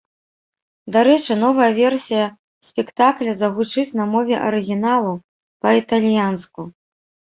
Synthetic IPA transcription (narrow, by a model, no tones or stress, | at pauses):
d̪aɾɛt͡ʂɨn̪ɔvɐjɐvʲɛrsʲijɐ | sʲpʲɛkt̪aklʲɐzɐɣut͡ʂɨt͡sʲnɐmɔvʲɛʔɐɾɨɣʲinalˠu | pɐit̪ɐlʲjansku